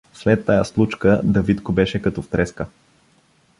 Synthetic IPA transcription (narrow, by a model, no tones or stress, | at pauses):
slɛt̪ːajaslˠut͡ʃkəd̪ɐvit̪kobɛʃɛkɐt̪ɔft̪ɾɛskə